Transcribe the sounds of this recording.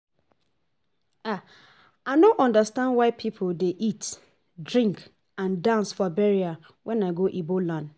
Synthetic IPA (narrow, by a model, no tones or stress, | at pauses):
a | aɪnõʔɔ̃ndastãndwaɪpʰipʰodeʔit | dɹĩŋk | ãndãnsfɔbɛɹia | wʔɛ̃naɪɡoʔibolãn